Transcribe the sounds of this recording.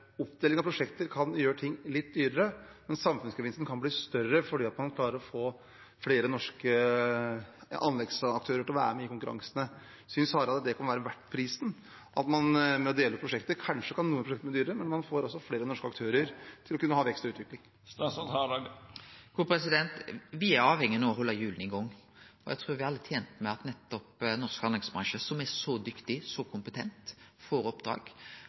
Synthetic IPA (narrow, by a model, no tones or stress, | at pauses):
ʊpd̪eːlɪŋɑpʰɾʊʂɛkt̪əɾkʰɑnjøːɾəʈʰɪŋːlɪt̪̚ːd̪yːɾəɾəmɛnsɑmfʉnskʰəʋɪnst̪n̩kʰɑnbliːst̪œrəfɔɖiːɑt̪mɑnkʰlɑːɾəɾɔfoː | fɽeːɾənɔʂkə | ɑ̰nlɛɡsɑk̚t̪ʰøːɾəʈʰɪlɔʋæ̰ːɾəmɛɪkʊŋkʉɾɑ̰ŋsənə | sʏnshɑːɾəɑt̪d̪ɛkʰɑnʋæːɾəʋæʈːpʰɾiːsn̩ | ʔɑt̪mɑnmɛɔd̪eːləpɾʊʂɛkt̪əkʰɑnʂəkʰɑnːuːəpʰɾʊɛkt̪mɛd̪yːɾəmɛnmɑnfoːɾɔsːɔfleːɾənɔʂkəɑk̚t̪ʰøːɾəɾt̪ʰɪlɔkʉnːəhɑːʋɛkst̪ɔʉːt̪ʋɪklɪŋ | shɑɡkʰuːpʰɾɛsɪd̪ɛnt̪ʋɪæɾɑːʋhɛŋːənoɦɔlːɑjʉːlnɪɡɔŋːɔjæ̰ɪt̪ʰɾuːɾʋɪhɑɾɑlːət̪ʰjeːnt̪mɛɑt̪nɛt̪ːɔpnɔʁskɑnlɛɡsbɾɑŋʃəsɔmɛsɔd̪ʏkt̪ɪsɔkʰʊmpət̪ʰɛnt̪fɔɾɔpd̪ɾɑ̰ːɡ